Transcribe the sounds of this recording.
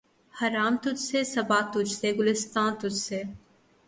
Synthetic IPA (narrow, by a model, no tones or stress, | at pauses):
hɐɾaːmt̪ʊd͡ʒsesɐbaːt̪ʊd͡ʒseɡʊlɪst̪ãːnt̪ʊd͡ʒseː